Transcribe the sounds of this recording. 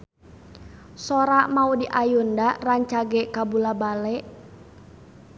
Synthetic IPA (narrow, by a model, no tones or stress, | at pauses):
sɔɾaʔmaudiʔajundaraɲt͡ʃaɡɛkabulabalɛʔ